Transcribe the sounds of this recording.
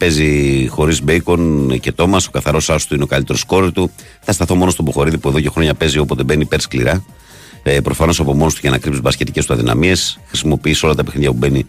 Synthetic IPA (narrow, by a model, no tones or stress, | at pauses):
pe̞zixo̞ɾizbeiko̞nce̞t̪o̞mɐso̞kɐθɐɾo̞sɐost̪uine̞o̞kɐlit̪e̞ɾo̞sko̞ɾit̪u | θɐst̪ɐθo̞mo̞nost̪oboxo̞ɾiðipue̞ðo̞cexɾo̞ɲɐpe̞zio̞po̞t̪e̞be̞nipe̞ɾsklḭɾɐ | pɾo̞fɐno̞sɐpo̞mo̞nost̪uʝɐnɐkɾipsuvɐsce̞t̪ice̞st̪uɐðinɐ̰mie̞sxɾisimo̞piiso̞lɐt̪ɐpe̞xniʝɐpube̞ni